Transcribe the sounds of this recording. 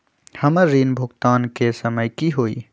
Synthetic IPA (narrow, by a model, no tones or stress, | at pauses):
hɐməɾːiːnbʱʊɡt̪aːnkesəməjkiɦoːḭː